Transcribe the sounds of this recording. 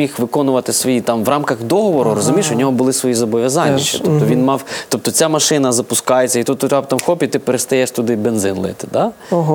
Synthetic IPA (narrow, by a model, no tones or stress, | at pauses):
ixʋɪkɔnʊʋɐt̪ɪsʋɔjit̪ɑmʋrɑmkɐɣd̪ɔɦɔʋɔɾʊɾɔzʊmʲiʃʊd̪nʲɔɦɔbʊlˠɪsʋɔjizɔbɔʋʲjɐzɑnʲːiʃit̪ɔp̚t̪ɔʋʲinmɑwt̪ɔp̚t̪ɔt͡sʲamɐʃɪnɐzɐpʊskɑjet͡sʲːɐit̪ut̪ːʊt̪ʲɾʲabt̪ɑmxˠɔpʲit̪ɪpeɾest̪ɐjɛʃt̪ʊd̪ɪbenzɪnlˠɪ̰t̪ɪ̥d̪ɑ | ɦ